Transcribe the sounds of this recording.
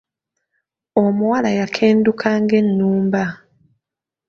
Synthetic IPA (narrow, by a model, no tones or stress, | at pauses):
omuwalajakʰe̞ːndukʰaːŋɡe̞nːuːmba